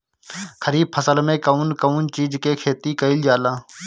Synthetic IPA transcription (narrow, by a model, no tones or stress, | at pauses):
kʰəɾiːb̚pʰəsəlmẽːkəuːnkəuːnt͡ʃiːd͡ʒkeːkʰeːt̪iːkəɪld͡ʒaːlãː